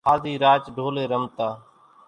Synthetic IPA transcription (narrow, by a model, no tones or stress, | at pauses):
aːd̪ʱiːɾaːt͡ʃɖʱoːleːɾəmt̪aː